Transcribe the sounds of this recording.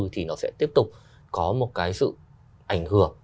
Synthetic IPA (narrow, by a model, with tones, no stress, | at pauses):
t̪ʰi˨˩nɔ˨˦sɛ̰˧˥t̪i˦˥əp̚t̪ʊ˨˩k͡p̚ | kɔ˨˦mo˨˩t̚kaː˨˦jsɨ̰˧˨ | ʔa˧˩jŋ̟hɨ˧˩əŋ